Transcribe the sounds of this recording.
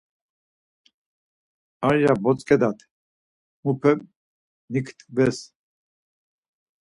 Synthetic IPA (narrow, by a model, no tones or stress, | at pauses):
aɾjabɔt͡sʼkʰʼɛd̪at̪ʰ | mupʰɛm | nikʰt̪ʼvɛs